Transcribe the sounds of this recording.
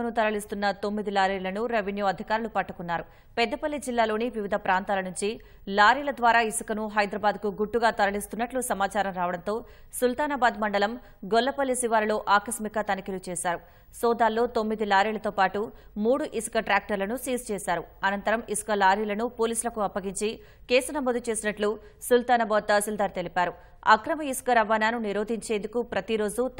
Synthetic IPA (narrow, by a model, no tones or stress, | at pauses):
ɐnut̪ɐɾɐɭist̪unːɐt̪o̞mːid̪ilaːɾiːlɐnuɾɐʋinjuːɐd̪ʱikaːɾulupɐʈːɐkunːaːɾu | pɛd̪ːɐpɐlːid͡ʒilːaːlo̞ːniʋiʋid̪ʱɐpɾaːnt̪aːlɐnuɲt͡ʃi | laːɾiːlɐd̪ʋaːɾaːisu̥kɐnuɦɐjd̪ɾɐbaːd̪̚kuɡuʈːuɡaːt̪ɐɾɐɭist̪unːɐʈlusɐmaːt͡ʃaːɾɐmɾaːʋɐɽɐnt̪o̞ː | sult̪aːnaːbaːd̪mɐɳɖɐlɐm | ɡɔlːɐpɐlːisiʋaːɾɐloːʔaːkɐsmikɐt̪ɐnikilut͡ʃɛːsaːɾu | sɔːd̪aːlːo̞ːt̪omːid̪ilaːɾiːlɐt̪oːpaːʈumuːɽuʔisu̥kɐʈɾaːk̚ʈɐɾlɐnusiːst͡ʃɛːsaːɾuɐnɐnt̪ɐɾɐmisu̥kɐlaːɾilɐnupoːliːsulɐkuɐpːɐɡiɲt͡ʃi | kɛːsɐnɐmod̪ut͡ʃe̞ːsinɐʈlu | sult̪aːnabod̪ɐsuld̪aːɾt̪e̞lipaːɾu | ɐkɾɐmɐisu̥kɐɾɐʋaːnaːnuniɾo̞ːd̪ʱiɲt͡ʃeːnd̪ukupɾɐt̪iɾo̞ːd͡ʒu